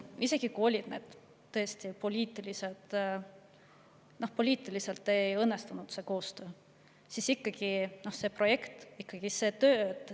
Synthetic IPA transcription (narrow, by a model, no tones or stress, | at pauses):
ise̞ɡ̥ikuo̞lʲid̪ne̞ːd̪̥ | t̪ːɤ̞est̪ipo̞lʲiːt̪ːˑilise̞t̪ | no̞hpo̞lʲiːt̪ːˑilise̞lt̪ˑːe̞jɤnːest̪unud̪̥se̞ko̞ːst̪ø̞ː | sisikːɑɡ̥ino̞hse̞pro̞je̞kt̪ikːɑɡ̥ise̞ːt̪øːt̪